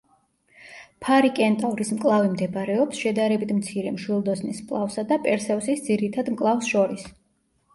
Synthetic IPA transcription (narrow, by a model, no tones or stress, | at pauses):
pʰaɾikʼɛnt̪ʼavɾismkʼlˠavimd̪ɛbaɾɛɔpsʃɛd̪aɾɛbit̪ʰmt̪sʰiɾɛmʃwilˠd̪ɔsnismkʼlˠafsad̪apʼɛɾsɛvsisd̪ziɾit̪ʰad̪mkʼlˠafsʃɔɾis